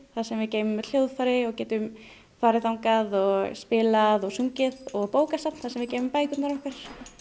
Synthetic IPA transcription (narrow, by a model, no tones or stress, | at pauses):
θaðsɛmvɪðceːjmʏmːɛðl̥jowðfaɾɪɔɣcɛːt̪ʏm | faːɾɪθawŋkaðɔɣspɪlaðɔɣsuŋcɪðɔɣpoːwkasap̪nθasɛmvɪðceːjmʏmpaːjkʏt̪naɾɔhkaɾ̥